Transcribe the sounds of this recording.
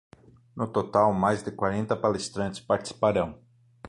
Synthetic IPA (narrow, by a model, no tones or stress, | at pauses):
nʊt̪ot̪awmajzd̪ɪkwaɾẽnt̪ɐpalest̪ɾɐ̃nt͡ʃɪ̥spaɾt͡ʃi̥si̥paɾɐ̃w̃